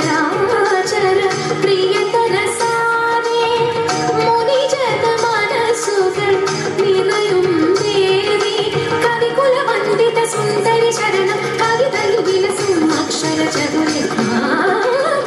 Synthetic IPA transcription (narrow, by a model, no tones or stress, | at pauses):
ɾaːat͡ʃɐɾɐ | pɾijɐt̪ɐnɐsaːmi | munid͡ʒɐd̪ɐmaːnɐsud̪ɐm | ninɐjumd̪eːɾid̪ikɐd̪ikulɐmɐnd̪it̪ɐsund̪ɐɾit͡ʃɐɾɐnɐ | kɐd̪id̪ɐluʋilɐsumɐkʂɐɾɐt͡ʃɐd̪uli